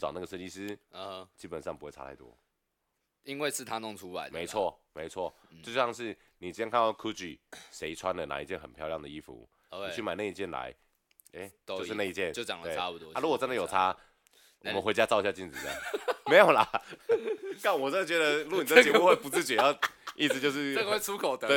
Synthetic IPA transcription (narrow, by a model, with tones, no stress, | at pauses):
t͡sɑ˨˩na˥˩ɡə˩ə˥˧ni˥˧sɹ̩˥˧˦t͡ɕi˦˥pə˨˩nʂɑ˥˩ŋpu˧˦we˥˩ʈ͡ʂʰa̰˧˥t̪ʰa˥˩ɪt̪wɔ̰˦˥ | i˦nwe˥˧ɪʂɻ̩˥˩t̪ʰa˥nʊ˥˨˩ŋt͡sʰu˦la̰˨˦me˧˦ɪt͡sʰwɔ˥˩me˨˧ɪt͡sʰwɔ˥˩ʈ͡ʂ̩˥˧ɕɑ˥˧ŋʂɻ̩˥˩ | ni˨˩t͡ɕjɛ˥nkʰa˥˧n˥˩kʰu˥t͡ɕy̰˨˩se˧˥ɪt͡sʰwa˦nd̪ə˨˩na̰˨˦i˧˥t͡ɕjɛ˥˩nxə˨npʰjɑ˥˧ʊljɑ˥˩ŋd̪ə˩i˦˥fṵ˧˦˧ | t͡ɕʰy˥˩ma˨˩na˥˧i˧˩t͡ɕjɛ˥˩nla̰˧˦ɪ | e˥˩jo˧ʊʂɻ̩˥˧na˥˧i˥t͡ɕjɛ˥˨nt͡ɕo˥˧˨t͡ɕjɑ˨˩ŋləwe˥˨˩a˦˥pu˨˩t̪ɔ˦a˥˦lu˦˥wɔ˨˩ʈ͡ʂə˦ndə˨jo˨˩ʊtʰa˦ | wɔ˨mə˦nxe˧˥ɪt͡ɕja˥t͡sɑ˥˧ʊɕja˥˧t͡ɕi˥˩nt͡sɹ̩˨˩˧ja̰˥˩ŋme˧˥jo˨˩ʊla˨ | ka˥˩nwɔ˨˩t͡ɕə˥nd̪ə˨t͡ɕɥʲɛ˧˥d̪ə˨˧lu˥˩ni˨˩ə˥t͡ɕi˨wɔ˥˧xwe˥˩ɪpu˧˦t͡sɹ̩˥˩t͡ɕi˨jɑ˥˧ʊḭ˥˩s̬̩˨˩t͡ɕjo˥˧ʊʂ̬ɻ̩˥˩nə˥˨ə˧we˥˩ɪt͡sʰu˥kʰo˨˩ʊd̪ə˨˦e˥˩